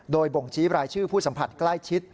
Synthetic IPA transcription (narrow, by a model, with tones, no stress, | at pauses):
doː˧jbo˨˩ŋt͡ɕʰiː˦˥p̚ɾaː˧jt͡ɕʰɯː˥˩pʰuː˥˩sa˩˦mpʰa˨˩t̪̚kla˥˩jt͡ɕʰi˦˥t̪̚